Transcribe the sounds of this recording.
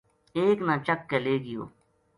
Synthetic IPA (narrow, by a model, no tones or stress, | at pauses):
eːknãːt͡ʃəkːeleːɡɪjo̰ː